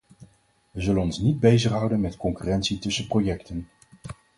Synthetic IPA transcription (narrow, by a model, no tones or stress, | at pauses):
ʋəzɵlənɔnsnid̚bejzəχɦʌwdənmɛtkɔŋkyrɛntsitɵsəprojɛktən